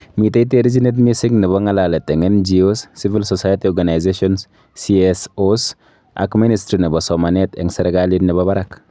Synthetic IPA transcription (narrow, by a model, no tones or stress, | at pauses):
miteit̬eɾid͡ʒinet̬misiŋnɪbɔŋalalɛtɛŋɛnd͡ʒiosːivilsɔsajatiɔɾɡanajzeʃɔns | siɛsos | a̰kministɾinibɔsɔmanɛtɛ̰ŋsɛɾɛɡalinnɛbɔbaɾak